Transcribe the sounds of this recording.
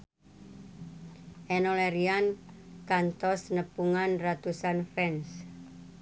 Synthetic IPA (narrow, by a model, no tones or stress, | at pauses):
ʔɛnoleɾiankant̪ɔsnəpuŋanrat̪usanfɛns